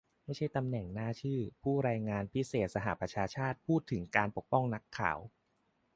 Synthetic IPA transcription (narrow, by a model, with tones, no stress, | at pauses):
ma˥˩jʰa˥˩jt̪a˧mnɛ˨˩ŋnaː˥˩t͡ɕʰɯː˥˩pʰuː˥˩ɾaː˧jŋaː˧npʰi˦˥seː˨˩t̪̚sa˧ɦa̰˨˩ʔpɾa˧t͡ɕʰaː˧t͡ɕʰaː˥˩t̪̚pʰuː˥˩t̪ʰːɯ˩˦ŋkaː˧npo˨˩k̚pɔ˥˩ŋna˦˥kʰːa̰ː˩˦w